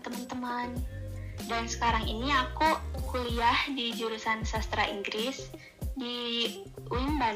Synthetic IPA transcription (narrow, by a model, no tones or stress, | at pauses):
t̪əmant̪əmandansə̥kaɾaŋḭniakukuliahdid͡ʒuɾusansast̪ɾaʔiŋɡɾɪs | di | uinba